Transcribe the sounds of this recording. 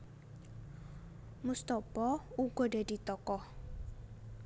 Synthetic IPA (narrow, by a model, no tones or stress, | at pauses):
must̪ɔpɔuɡ̥ɔdad̥̪i̤t̪ɔkɔh